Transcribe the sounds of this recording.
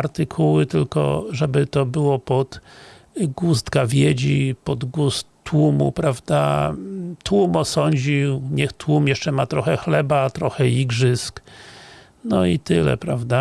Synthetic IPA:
ɾt̪ɨkʰuwɘt̪ɘlkɔ̰ʐɛbɘt̪ɔbɘwɔpɔd̪̥ | ɡust̪kavʲjed͡ʑipɔd̪ɡustt̪ːwumṵpɾavd̪a̰ | t̪wumɔsɔɲd͡ʑiwɲɛxt̪wumjɛʂt͡ʂɛmat̪ɾɔxɛxlɛbat̪ɾɔxɛiɡʐɘsk | nɔit̪ɘlɛ̰pɾavd̪a

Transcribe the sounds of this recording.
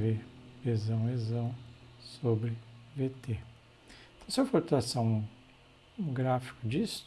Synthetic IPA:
veezɐ̃w̃ezɐ̃w̃sobɾɪvet̪e | t̪ɐ̃w̃siewfoɾt̪eɾasɐ̃w̃ | ɡɾafi̥kʊd͡ʒis

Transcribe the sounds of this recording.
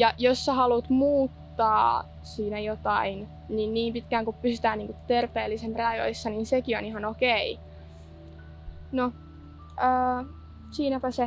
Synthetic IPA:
jɑjosːɑhɑlut̪muːt̪ːɑː | siːnæjot̪ɑin | ninniːmpit̪kæːŋkuppysyt̪æːniːŋkut̪erpeːlːisempreɑjo̰isːɑninsekioniɦɑnokei | no | əː | siːnæpæse

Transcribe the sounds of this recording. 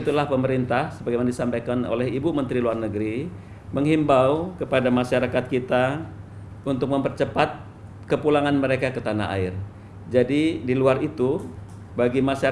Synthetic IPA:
it̪ulahpəməɾint̪ahsəbaɡajmanadisampajkano̰lɛɦibumənt̪ɾiluarnəɡəɾi | məŋɦimbaukəpadamaʃaɾakat̪̚kit̪a | unt̪ʊk̚məmpərt͡ʃəpat̪̚ | kəpulaŋanməɾekakət̪ana̰a̰ɪr | d͡ʒadidiluarit̪u | baɡimaʃa

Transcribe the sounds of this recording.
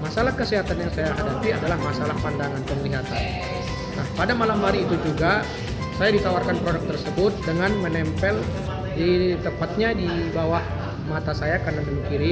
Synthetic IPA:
masalahkəsiɦat̪anjaŋsajaɦadapiadalahmasalahpandaŋanpəŋəliɦat̪an | nahpadamalamɦaɾiːt̪ud͡ʒuɡa | sajadit̪awarkanpɾodək̚t̪ərsəbʊt̪̚dəŋanmənɛmpɛl | dit̪əmpat̪̚ɲadibawah | mat̪asajakanandəmikiɾi

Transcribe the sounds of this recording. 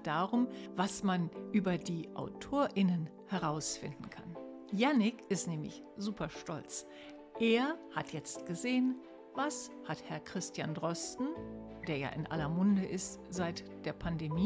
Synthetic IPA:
d̥aːʁʊmvasmanʔyːbɐdiːʔa̰ʊtʰoːɐʔɪnən | hɛʁaʊsfɪ̰ndn̩kʰa̰n | janɪkʔɪstnɛːmlɪ̰ç | z̥uːpʰɐʃtɔ̰lt͡s | ʔeːɐhatʰjɛt͡stɡ̥əzeːən | vashathɛɐkʁ̥ɪstjandʁɔstn̩d̥eːɐja̰ːʔɪ̰nʔa̰lɐmʊndəʔɪstz̥aɪtd̥eːɐpʰandemiː

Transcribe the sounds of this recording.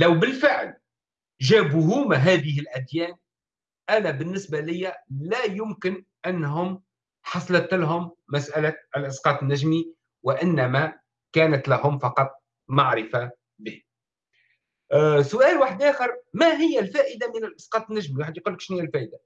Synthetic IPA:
læwbɪlfɪʕl | ʒæːbuɦʊːmæɦæːðɪɦɪlʔæd̪jæːn | ʔænæbɪnːɪsbalɪjːælæjʊmkɪn | ʔænːɦʊm | ħɑsˤlɑt̪ɪlɦʊmːæsʔælalʔɪsqɑːt̪ˤnːæʒmi | wɪʔɪnːæmæ | kæːnæt̪læɦʊmfɑqɑt̪ˤ | maʕɾɪfa | bɪːh | sʊʔæːlwaħəd̪ʔæːxɪɾmæɦɪjːælfæːʔɪd̪amɪnɪlʔɪsqɑːt̪ˤnːæʒmiwaːħəd̪jquːlːəkʃnijːælfæːʔɪd̪a

